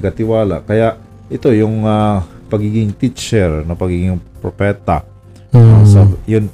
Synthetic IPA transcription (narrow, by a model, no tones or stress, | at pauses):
ɡkɐt̪ɪwaːla̰kɐjaʔ | ʔɪt̪o̞jʊŋa | pɐɡiːɡɪŋt̪it͡ʃɛɹnɐpɐɡiːɡɪŋpɾopɛːt̪ɐ̰ | nosɐjʊn